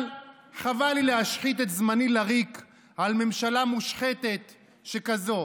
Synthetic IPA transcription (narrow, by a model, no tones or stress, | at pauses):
l | χavalilehaʃχit̪̬et̪zmanilaʁik | alme̞mʃalamuʃχet̪e̞t̪ | ʃekazo̞